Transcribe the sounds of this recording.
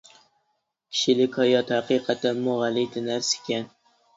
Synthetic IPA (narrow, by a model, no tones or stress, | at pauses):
kʲʰɪ̥ʃɪlɪkʲʰɒjɒt̪haqɨqʰɑt̪anmʊʁalit̪ʰɪnaɾsɪ̥kʲan